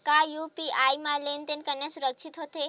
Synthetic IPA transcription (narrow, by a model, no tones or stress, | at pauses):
kajuːpiʔaːimãlent̪enkɐɾnasʊɾəkʃʰit̪ɦoːt̪e